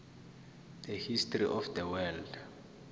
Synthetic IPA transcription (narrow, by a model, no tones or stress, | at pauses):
d̪̥ɛhistʼrḭʔɔfd̪ɛwɛld